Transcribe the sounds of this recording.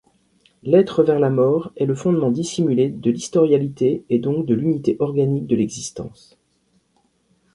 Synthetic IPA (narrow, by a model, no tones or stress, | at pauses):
lɛt̪χəvɛʁlamɔːʁɛləfɔ̃d̪mɑ̃d̪isimyled̪əlist̪ɔʁjalit̪eːd̪ɔ̃k̚d̪əlynit̪eʔɔʁɡanik̚d̪əlɛɡzist̪ɑ̰̃s